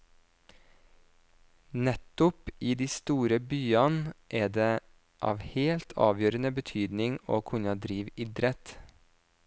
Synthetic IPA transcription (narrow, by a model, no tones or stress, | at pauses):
nɛt̪ʊpiːd̪iːst̪uːɾəbyːɑnʔæːdeː | ʔɑ̰ːʋheːlt̪ʰɑ̰ːʋjøːɾənəbət̪ʰyːd̪nɪŋo̰ːkʰʉnɑd̪ɾiːʋɪd̪ɾɛt̪